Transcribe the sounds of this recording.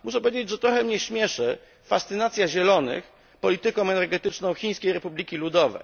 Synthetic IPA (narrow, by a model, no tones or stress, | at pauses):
muʂɛpɔvjed͡ʑed͡ʑʐɛt̪ɾɔxɛmɲɛɕmʲjɛʂɛ | fast̪sɘnat̪sʲjaʑɛlɔnɘ̰x | pɔlʲit̪ɘkɔ̃w̃ɛnɛɾɡɛt̪ɘt͡ʂnɔ̃w̃xʲij̃skʲejɾɛpublʲikʲilud̪ɔvɛ̰j